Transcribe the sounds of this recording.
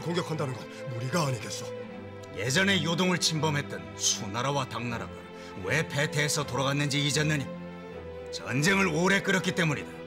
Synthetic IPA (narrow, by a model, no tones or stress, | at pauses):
koŋɡjʌkʰandanɯnɡʌ̰nːuɾiɡaːɲiɡes͈ʌ | je̞d͡ʑʌne̞jodoŋɯɭt͡ɕʰimbʌmɦe̞t̚t͈ʌn | sʰunaɾawataŋnaɾa̰ɡo̰ | we̞pʰe̞tʰe̞ːsʰʌtoɾaɣanːɯnd͡ʑiːd͡ʑʌnːɯɲi | t͡ɕʌ̰nd͡ʑe̞ŋɯɾoɾe̞k͈ɯɾʌk͈it͈e̞muɲida